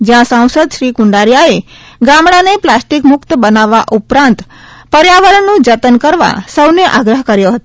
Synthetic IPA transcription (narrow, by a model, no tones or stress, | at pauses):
d͡ʒjãsãw̃səd̪ʃɾikʊɳɖaɾjae | ɡamɽaneplasʈikmʊkt̪bənaʋːaʔupɾãnt̪ | pəɾjaʋəɾəɳːũd͡ʒət̪ənkəɾʋa̰səwneʔaɡɾəɦkəɾjoɦət̪o